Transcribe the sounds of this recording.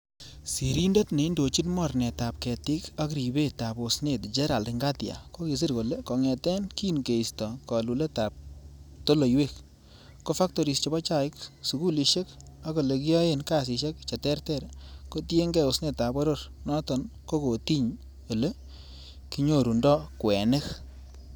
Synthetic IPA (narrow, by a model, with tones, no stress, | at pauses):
si˨ɾi˦nde˦tne˨i˦ndo˨t͡ʃi˦tmɔ˦˨ɾnɛ˨ta˨p̚kɛ˨tɪ˦ka˦k̬ɾi˨be˦ta˨bo˨sne˨td͡ʒɛ˦ɾa˨ldɪ˨ŋɡa˦tja̰˨ko˦ki˨s̬i˦ɾko˨le˦kɔ˨ŋɛ˨tɛ˦nki˦nke˨i˨stɔ˨kɔ˨lu˨le˦ta˨p̚to˦lo˨jwe˦kː | o˦fa˦k̚to˨ɾi˨st͡ʃɔ˨bɔ˦t͡ʃa˦˨ɪ˦ksu˨ku˦li˧ʃe˦k | a˦ko˨le˨ki˦ɔ˦e˦˨nka˨s̬ɪ˨ʃe˦kt͡ʃɛ˨tɛ˦ɾtɛ˦˨ɾko˦tje˦ŋɡɛ˨o˨sne˦˨tːa˨bɔ˦ɾo˦ɾnɔ˦tɔ˨nko˦ko˨ti˦ɲ | o˨le˦ | ki˦ɲo˦ɾu˨ndɔ˦kwɛ˨nɪ˦k